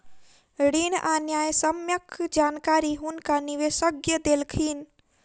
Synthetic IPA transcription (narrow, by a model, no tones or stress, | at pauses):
ɽiːnʔaːnjaːjsəmjəkʰd͡ʒaːnkaːɾiɦunkaniʋeːsəɡjəd̪elkʰiːn